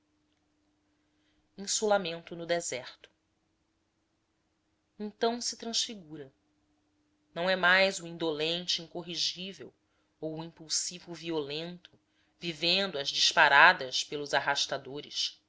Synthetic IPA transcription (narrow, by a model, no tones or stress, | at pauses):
ĩsulamẽnt̪ʊnʊd̪ezɛɾt̪ʊ̥ | ẽnt̪ɐ̃w̃sɪt̪ɾɐ̃ʃfiɡuɾɐ | nɐ̃w̃ɛmajzʊĩnd̪olẽnt͡ʃɪĩŋkoɦiʒivḛw | owːĩpuwsivʊviolẽnt̪ʊ | vivẽnd̪ʊɐzd͡ʒiʃpaɾad̪ɐʃpelʊzaɦaʃt̪ad̪oɾɪ̰ʃ